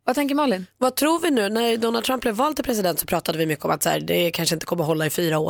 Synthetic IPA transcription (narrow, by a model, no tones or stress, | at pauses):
vat̪ʰɛŋk̬əɾmɑlɪnvat̪ʰɾuːvɪnʉ̟ːnæɾd̪ɔnald̪t̪ʰɾamp̚blɛvːɑːlt̪ɪlpʰɾɛs̬ɪd̪ɛnt̪sɔpʰɾɑːt̪ad̪əvɪmʏkːəɔ̰mat̪sæ̰ːɾd̪ɛkʰanʂəɪnt̪ə̥kʰɔmːəɾɦɔlːaɪfyːɾao̰ː